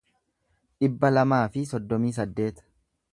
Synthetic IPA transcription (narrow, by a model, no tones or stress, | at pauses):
ᶑɪbːɐlɐmaːfɪsɔd̪ːɔmiːs̬ɐd̪ːe̞ːt̪